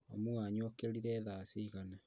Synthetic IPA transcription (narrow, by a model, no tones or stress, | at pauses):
amuaɲwɔkeɾiɾɛðaːsiɣana